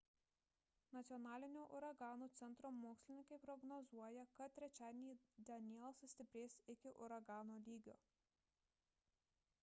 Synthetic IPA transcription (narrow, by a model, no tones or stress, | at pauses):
nɐt̪sʲɪɔnɑːlʲɪnʲoːʔʊɾɐɡɑːnuːt̪sʲɛnt̪ɾoːmoːksʲlʲɪnʲɪŋkɐɪpɾɔɡnɔzuɔjɛkɐt̪̚tːʲɾʲɛt͡ʃʲæːd̪ʲenʲiːd̪ʲɐnʲiɛlˠsʊsʲt̪ʲɪpʲɾʲeːsɪkʲɪʔʊ̰ɾɐɡɑːnoːlʲiːɡʲoː